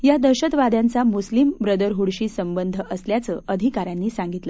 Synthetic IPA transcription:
jad̪əɾɕət̪ʋad̪jãnt͡samuslimbɾəd̪əɾɦuɽɕiːsəmbənd̪ʱəʔəsljat͡səʔəd̪ʱikaɾjanːiːsãŋɡit̪lə

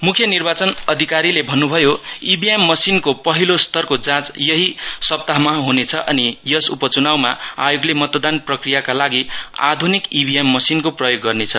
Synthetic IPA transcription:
mukʰjʌnirbat͡sʌnʌd̪ʱikaɾilebʱʌnːubʱʌjoibʱiemːʌsinkopʌɦilost̪ʌrkod͡zãt͡sjʌɦisʌb̚t̪aɦmaɦunet͡sʰʌʔʌnijʌsupʌt͡sunawmaajoɡlemʌt̪d̪anprʌkrijakalaɡia̰d̪ʱunikibʱiemːʌsinkoprʌjoɡːʌrnet͡sʰʌ

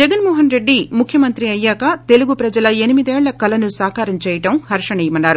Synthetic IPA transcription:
d͡ʒɐɡɐnmɔːɦɐnɾe̞ɖːimukʰjɐmɐnt̪ɾiɐjːaːkɐt̪e̞luɡupɾɐd͡ʒɐlɐenimid̪ɛːɭːɐkɐlɐnusaːkaːɾɐmt͡ʃɛːjɐʈɐmhɐɾʂɐɳɛjɐmɐnːaːɾu

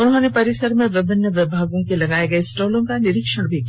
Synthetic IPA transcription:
ʊnɦonepɐɾɪsəɾmẽʋɪbənːəʋɪbʱaːɡõkelɐɡaːeɡɐesʈoːlõkanɪɾɪkʃəɽbʱik

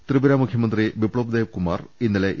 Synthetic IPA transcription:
t̪rɨbɐɾaːmukʰjɐmɐnd̪ribipɭoːbd̪eːʋkuma̰ːrinːɐleʔ

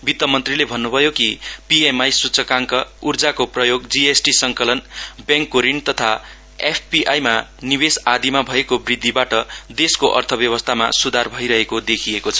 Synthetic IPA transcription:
bit̪ːʌmʌnt̪rilebʱʌnːubʱʌjokipiemajsut͡sʰʌkaŋkʌurd͡zakoprʌjoɡd͡ziesʈisʌŋkʌlʌnbjãŋkːoɾint̪ʌt̪ʰa | epʰpiʔajmaniβesad̪imabʱʌekobrid̪ʱːibaʈʌd̪eskoʔʌrt̪ʰʌbjʌβʌst̪ʰama̰sud̪ʱarbʱʌjɾʌɦekod̪ekʰiekot͡sʰʌ̥

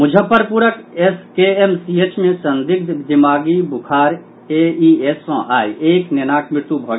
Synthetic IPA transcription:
mʊd͡ʒʱəpːəɾpuɾəkeskeemsiːet͡ʃmẽsɐ̃nd̪ɪk̪̚d̪ɪmaːɡibʊkʰaːɾ | eːiesːɔ̃ʔaːjʔeːknenaːkʰmɪt̪ubʱɐɡ

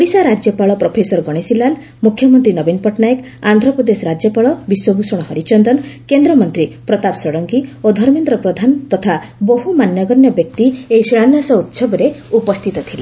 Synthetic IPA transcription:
ɽisaɾad͡ʒjɔpaɭɔpɾɔpʰesɔɾɡɔɽ̃esilal | mukʰːjɔmɔnt̪ɾinɔbinpɔʈnajɔk | and̪ʱɾɔpɾɔd̪esɔɾad͡ʒjɔpaɭɔbiswɔbʱusɔɽ̃ɔɦɔɾit͡ʃɔnd̪ɔnkend̪ɾɔmɔnt̪ɾipɾɔt̪apsɔɽɔŋkiod̪ʱɔɾmend̪ɾɔpɾɔd̪ʱant̪ɔt̪ʰa | boɦumanjɔɡɔnjɔbjɔk̚t̪ieisiɭ̃anjasɔut̪sɔbɔɾeupɔst̪ʰit̪ɔt̪ʰila

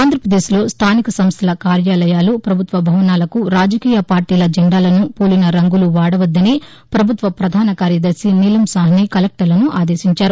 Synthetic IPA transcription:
aːnd̪ʱɾɐpɾɐd̪eːslo̞ːst̪ʰaːnikɐsɐmst̪ʰɐlɐkaːɾjaːlɐjaːlupɾɐbʱut̪ʋɐbʱɐʋɐnaːlɐkuɾaːd͡ʒɐkiːjɐpaːɾʈiːlɐd͡ʒɐɳɖaːlɐnupoːlinɐɾɐŋɡuluʋaːɽɐʋɐd̪ːɐni | pɾɐbʱut̪ʋɐpɾɐd̪ʱaːnɐkaːɾjɐd̪ɐɾsinilɐmsaːɦɐnikɐlek̚ʈɐɾlɐnuʔaːd̪e̞ːʃiɲt͡ʃaːɾu

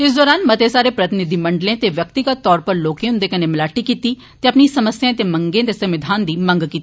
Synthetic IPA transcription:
ɪsd̪ɔːɾaːnmɐt̪esaːɾepɾɐt̪ɪnɪd̪ʱimɐɳɖlẽt̪eʋjək̚t̪ɪɡət̪ːɔːɾpəɾloːkẽʊ̃nd̪ekɐnemɪlaːʈikiːt̪iː | t̪eɐpnisɐməsjãt̪eːmə̃ŋɡẽt̪esɐmɪd̪ʱaːnd̪iːmə̃ŋɡkiːt̪i

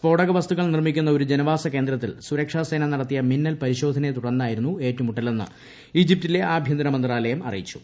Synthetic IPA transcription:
fo̞ːɽɐɣɐʋɐst̪uɣɐɭnirmikʲːunːɐo̞ɾud͡ʑenɐʋaːsɐke̞ːnd̪ɾɐt̪ːilsuɾɐkʂaːse̞ːnɐnɐɽɐt̪ːijɐminːɐlpɐɾiɕo̞ːd̪ʱɐnet̪uɽɐnːaːjiɾunːue̞ːtːumuʈːɐle̞nːɨ̰ | id͡ʑip̚tile̞ʔaːbʱjɐnd̪ɐnɐmɐnd̪raːlɐjɐmɐ̰rḭjit͡ɕːu̥̰

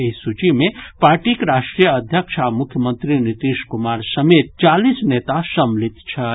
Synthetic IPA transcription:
eisut͡ʃimẽpaːɾʈikeɾaʃʈɾijəəd̪ʱjəkʃʰamukʰjəmənt̪ɾinit̪iʃkumaɾsəmet̪̚t͡ʃalisnet̪asəmlit̪t͡ʃʰə

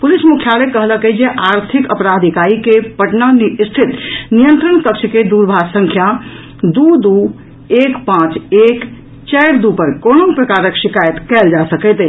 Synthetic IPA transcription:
pulismukʰjalekəɦləkɛd͡ʒeʔaɾt̪ʰikəpɾad̪ʱikaɾikepəʈnanst̪ʰit̪nijənt̪ɾənkəkt͡ʃʰked̪uɾbʱaɡsəŋkʰja | d̪ud̪u | ekpãt͡ʃek | t͡ʃɛjɾd̪upəɾkonopɾəkaɾəkʃikajət̪kɛld͡ʒasəkɛt̪ɛ

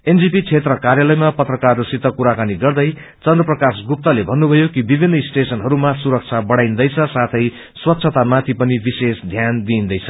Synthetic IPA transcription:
end͡zipit͡sʰet̪rʌkaɾjalʌjmapʌt̪rʌkarːusit̪ːʌkuɾakaniɡʌrd̪ʌj | t͡sʌnd̪rʌprʌkasɡup̚t̪ʌlebʱʌnːubʱʌjokibibʱinːʌisʈesʌnɦʌɾumasuɾʌk̚t͡sʰabʌɽajnd̪ʌjt͡sʰʌsat̪ʰʌj | swʌt̪ːsʰʌt̪amat̪ʰipʌnibisesd̪ʱjand̪iːnd̪ʌjt͡sʰʌ

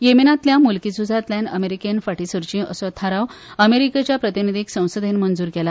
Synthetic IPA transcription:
jeminat̪ljamulkit͡sud͡zʱat̪lanə̰meɾikenfaʈisəɾt͡ɕĩə̰sɔt̪ʰaɾawəmeɾiket͡ɕjapɾət̪inid̪ʱiksə̃w̃səd̪ʱenmənd͡zuːɾkɛla

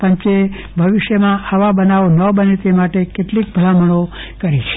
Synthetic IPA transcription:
pə̃ɲt͡ʃe | bʱəʋiʃjəmãaʋabənaʋonəbənet̪emaʈekeʈlik̚bʱəɭaməɽ̃o | kəɾit͡ʃʰe̥

